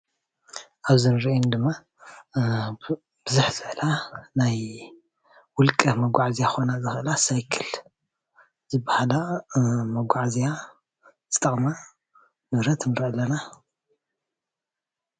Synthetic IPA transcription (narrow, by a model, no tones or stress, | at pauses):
ʔaβzɨnɨɾiind̪ɨmːa | b̥ɨzuħzɨʕlanaj | wʊlkʼɐmɐɡʷaʕzijaxonazɨxɨlasajkʰɨl | zɨbahalamɐɡʷaʕzija | z̥ɨt̪ʼɐχʼma | nɨβɾɐt̪nɨɾɐlːɐna